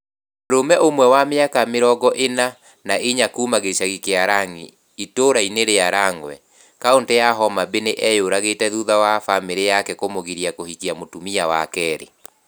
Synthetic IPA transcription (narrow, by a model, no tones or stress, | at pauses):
ɾomɛʔomwɛwameakameɾɔɡɔʔena | naʔeɲakumaɣeʃaɣikeaɾaŋḭ | itoɾaineɾeaɾaŋwɛ̰ | kaondɛjaɦɔmabeneʔɛjoɾaɣetɛðuðawafameɾejakɛkomoɣiɾiakohikiamotumiawa̰kɛɾḛ